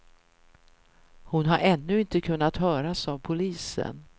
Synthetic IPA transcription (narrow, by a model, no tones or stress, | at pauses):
hʊnɦaɾʔɛnːɵɪnt̪əkʰɵn̪ːat̪hœːɾasavpʰʊliːsə̰n